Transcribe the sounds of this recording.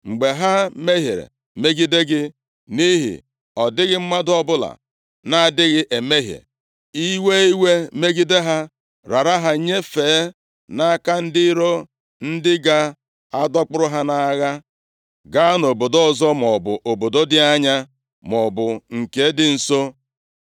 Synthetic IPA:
ŋ͡m̩˨ɡ͡be˨ɦa˦me˦ɦḛ˨ɾḛ˨ | me˦ɡi˦de˦ɡɪ˦ | ni˦ɦḭ˨ | ɔ˨dɪ˦ɣɪ˦m̩˦ma˦dɔ˦bʊ˦la̰˨ | na˦a˨dɪ˦ɣɪ˦ʔe˨me˦ɦjḛ˨ | i˦we˦i˦we˦me˦ɡi˦de˦ɦa˦ | ɾa˨ɾa˦ɦa˦ɲe˦feː˨˦ | na˦a˦ka˦n̩˦dɪ˦ɾo˦ | n̩˦dɪ˦ɡa˦ | a˦dɔ˦k͡pʊ˦ɾʊ˦ɦa˦na˨˦ɣa˦ | ɡa˦a˦no˨bo˨do˦ɔ˨zɔ˦m˨ɔ˨bʊ̰˨ʔo˨bo˨do˦dɪ˦a˦ɲa˦ | mɔ˨bʊ˨ŋ̩˨ke˨˦dɪ˦n̩˨so˦

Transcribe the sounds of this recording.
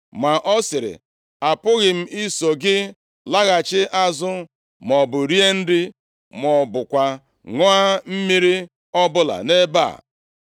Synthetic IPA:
ma˨ʔɔ˦sɪ˨ɾɪ̰˨ | a˨pʊ˦ɣɪ˨m̩˦i˦so˨ɡɪ˦ | la˦ɣa˨t͡ʃɪ˦ʔa˦zʊ˦ | mɔ˨bʊ˨ɾi˦e˦n̩˦dɪ˦ | m˨ɔ˨bʊ˨kʷa˨ | ŋɔ˦a˦m̩˦mi˦ɾi˦ | ɔ˦bʊ˦la̰˨ne˦ba̰˦˨

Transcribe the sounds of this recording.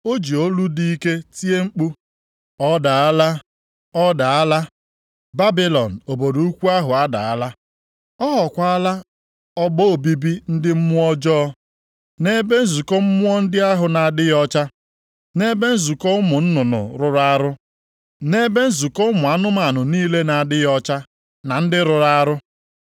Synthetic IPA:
o˦d͡ʒi˨o˦lu˦di˦i˦ke˦ti˦e˦ŋ͡m̩˦k͡pu˦ | ɔ˦da˨a˦la˦ | ɔ˦da˨a˦la˦ | ba˦bi˦lɔ˨n̩˨o˨bo˨do˨u˦kʷu˦a˦ɦʊ˨a˦da̰˨a˦la˦ | ɔ˦ɦɔ˨kʷa˦a˦la˦ | ɔ˦ɡ͡bo˦o˨bi˦bi˦n̩˦dɪ˦m̩˦mʊ˦ɔ˦d͡ʒɔ˦ | ne˦be˦n̩˦zu˨kɔ˦m̩˦mʊ˦ɔ˦n̩˦dɪ˦a˦ɦʊ˨na˨a˨dɪ˦jɔ˦t͡ʃa˦ | ne˦be˦n̩˦zu˨kɔ˦ʊ˦mʊ˨n̩˦nʊ˨nʊ̰˨ɾʊ˨ɾa˦ɾʊ˦ | ne˦be˦n̩˦zu˨kɔ˦ʊ˦mʊ˨a˦nʊ˦ma˨nʊ˨niː˦le˦na˨a˨dɪ˦jɔ˦t͡ʃa˦ | na˨n̩˦dɪ˦ɾʊ˨ɾa˦ɾʊ˦

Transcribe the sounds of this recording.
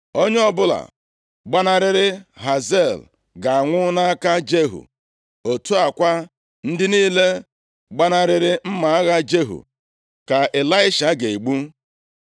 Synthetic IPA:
o˦ɲe˦ɔ˦bʊ˦la̰˨ | ɡ͡ba˦na˦ɾɪ˦ɾɪ˦ɦa˨ze˦˨l | ɡa˨a˨ŋʷʊ˦na˦a˦ka˦d͡ʒe˦ɦṵ˨ | o˨tu˦a˨kʷa˦ | n̩˦dɪ˦niː˦le˦ | ɡ͡ba˦na˦ɾɪ˦ɾɪ˦m̩˦ma˨a˦ɣa˦d͡ʒe˦ɦṵ˨ | ka˨ʔe˨la˦ɪ˦ʃa˨ɡe˨i˨ɡ͡bu˦

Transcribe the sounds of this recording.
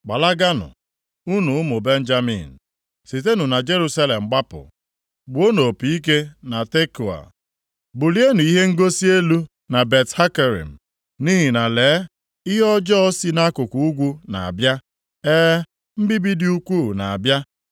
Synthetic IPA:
ɡ͡ba˨la˦ɡa˦nʊ̰˨ | u˦nu˨ʊ˦mʊ˨be˦n̩˦d͡ʒa˦mḭ˨n̩˨ | si˨t̬e˦nu˨na˨d͡ʒe˦ɾu˦sa˦le˨m̩˨ɡ͡ba˦pʊ̰˨ | ɡ͡bʊ˨˦o˦no˨pi˨i˦k̬e˦na˨te˦ku˨a̰˨ | bʊ˨li˦e˦nu˨i˦ɦe˦ŋ̩˦ɡo˦si˦e˦lu˦ | na˨be˨tha˦ke˨ɾḭ˨m̩˨ | ni˦ɦi˨na˨leː˨˦ | ɪ˦ɦɔ˦d͡ʒɔ˦ɔ˦si˦na˦kʊ˨ku˨u˦ɡʷu˦na̰˨a̰˨bja˦ | ɛː˦ | m̩˦bi˦bi˦di˦u˦kʷu˦˨na˨a̰˨bja˦

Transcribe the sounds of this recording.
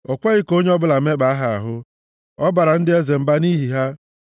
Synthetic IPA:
ɔ˨kʷe˦ɣɪ˦ko˦ɲe˦ɔ˦bʊ˦la˨˦me˦k͡pa˨a˦ɦa˨a̰˨ɦʊ˦ | ɔ˦ba˨ɾa˨n̩˦dɪ˦e˦ze˨m̩˨ba˦ni˦ɦi˨ɦa˦

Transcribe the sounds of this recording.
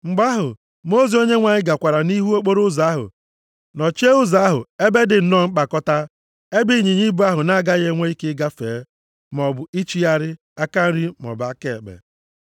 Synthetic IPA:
ŋ͡m̩˨ɡ͡ba˦ɦʊ˨ | mo˦zi˨˦o˦ɲe˦ŋʷa˨ɲɪ˦ɡa˨kʷa˨ɾa˨ni˦ɦu˦o˦k͡po˦ɾʊ˦za˨˦a˦ɦʊ̰˨ | nɔ˨t͡ʃe˦ʊ˦za˨a˦ɦʊ̰˨e˦be˦dɪ˨n̩˦nɔ˦ŋ͡m̩˦k͡pa˨kɔ˦ta˦ | e˦bi˦˨ɲi˨ɲi˦bu˦a˦ɦʊ˨na˦˨ɡa˦ɣe˦ŋʷe˦i˦kɪ˦ɡa˦fḛː˨˦ | m˨ɔ˨bʊ˨i˦t͡ʃi˦a˦ɾɪ˦ | a˦ka˦n̩˦ɾi˦m˨ɔ̰˨ba˦ke˦e˨k͡pḛ˨

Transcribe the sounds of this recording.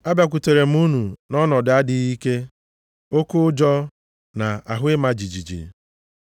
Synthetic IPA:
a˦bja˨k̬ʷu˨te˨ɾe˨m̩˦u˦nu˨nɔ˦nɔ˨da˦dɪ˦ɣi˦ke˦ | o˦kʊ˦ʊ˦d͡ʒɔ˦ | na˨a˨ɦʊ˦ɪ˦ma˦d͡ʒi˨d͡ʒi˨d͡ʒḭ˨

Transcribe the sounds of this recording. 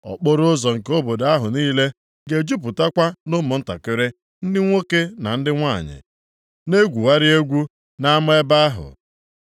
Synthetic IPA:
ɔ̰˨k͡po˦ɾʊ˦ʊ˦zɔ˨ŋ̩˨ko˦bo˨da˦ɦʊ˨niː˦le˦ | ɡe˨d͡ʒu˦p̬ʊ˨ta˦kʷa˦nʊ˦mʊ˨n̩˦ta̰˨kɪ˦ɾe˦ | n̩˦dɪ˦ŋʷo˦ke˦na˨n̩˦dɪ˦ŋʷa˦˨ɲɪ̰˨ | ne˦ɡʷu˨wa˦ɾɪ˦e˦ɡʷu˦ | na˦mʊ˦e˦ba˦a˦ɦʊ̰˨

